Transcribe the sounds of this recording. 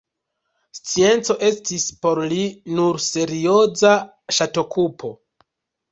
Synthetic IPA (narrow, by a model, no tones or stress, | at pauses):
st͡sie̞nt͡so̞ʔe̞stispo̞ɾlinuɾse̞ɾio̞za | ʃato̞kupʰo̞